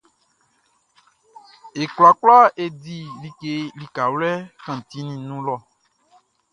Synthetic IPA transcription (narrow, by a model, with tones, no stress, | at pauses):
e˨kla˨k͡pla˦e˨di˨li˨ke˨li˨ka˨wlɛ˦kã˨t̪i˦nĩ˦nũ˦lɔ˦˨